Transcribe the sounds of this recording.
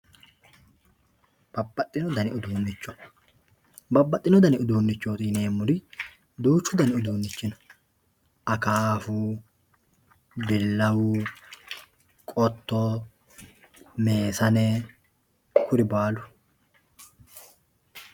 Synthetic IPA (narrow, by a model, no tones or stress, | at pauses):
b̥ɐbːɐt̪ʼːɪnɔd̪ɐnɪʊd̪uːnːɪt͡ʃːɔ̥ | bɐbːɐt̪ʼːɪnɔd̪ɐnɪʊd̪uːnːɪt͡ʃːoːt̪ɪneːmːʊɾɪ | d̪uːt͡ʃːʊd̪ɐnɪʊd̪uːnːɪt͡ʃːɪnɔ̥ | ʔɐkaːfʊ | bɪlːɐwʊ | kʼɔt̪ːɔ | me̞ːsɐnɛ | kʊɾɪbaːlʊ̥